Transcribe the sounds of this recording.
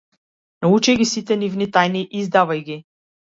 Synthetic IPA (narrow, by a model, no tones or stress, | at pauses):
naut͡ʃɛɡisit̪ɛnivnit̪ajniʔizd̪avajɡʲi